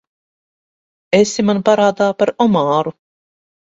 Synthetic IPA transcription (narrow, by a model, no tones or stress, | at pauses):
esimanpaɾaːd̪aːpaɾɔmaːɾu